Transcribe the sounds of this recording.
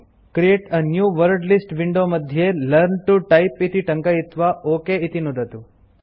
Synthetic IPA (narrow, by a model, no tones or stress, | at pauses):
kɾieʈənjuːʋəɾɖlisʈʋiɳɖoməd̪ʱjelɐɾnʈuʈɐjpit̪iʈɐŋkajit̪ʋaoːkeit̪inud̪ʱɐt̪u